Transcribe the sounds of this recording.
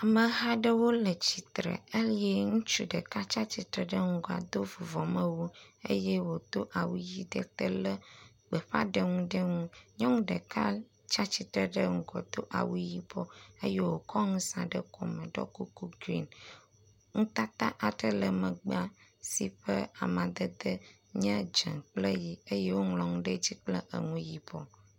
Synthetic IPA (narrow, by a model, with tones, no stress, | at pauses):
a˨mə̃˨ɦa˦ɖə˦wo˦lə˨t͡ɕi˨t̪ɾə̰˨ə˦li˦e˦ŋũ˦t͡ʃu˦ɖə˨ka˦t͡ʃa˦t͡ɕi˨t̪ɾə˨ɖə˦ŋ̩˦ɡɔ˨a̰˨d̪o˦vu˨vɔ˨mə˦wu˦ḛ˦je˦wo˨t̪o˦ʔa˨wu˦ji˦d̪ə˦˨t̪ə˦lə˦ | ɡ͡bə˨ɸa̰˦ɖə˦ŋũ˦ɖə˦ŋũ˦ɲɔ̃˦ŋ̃˦ɖə̰˨ka˦ | t͡ʃa˦t͡ɕi˨t̪ɾə˨ɖə˦ŋ̩˨ɡɔ˨d̪o˦ʔa̰˨wu˦ji˦bɔ˦ə˦je˦wo˨kɔ˦ŋũ˦sã˨ɖə˦kɔ̰˨mə̃˨ɖɔ̰˦ku˦ku˦ɡɾi˦n | ŋũ˦t̪a˦t̪a˦ʔa˨t̪ɾə˦lə˨mə̃˨ɡ͡ba˦si˦ɸə˦a̰˨mã˨d̪ə˦d̪ə˦ | ɲɛ̃˦d͡ʒə̰̃˨k͡plə˦ji˨ə˦je˦wo˦ŋlɔ̃˨ŋũ˦ɖə˦d͡ʑi˦k͡plə˦ʔə̰˨ŋũ˦ji˨bɔ˦